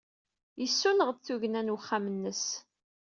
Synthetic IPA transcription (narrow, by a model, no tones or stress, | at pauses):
jəsːunəʁθuʝənænwəχːamənːəs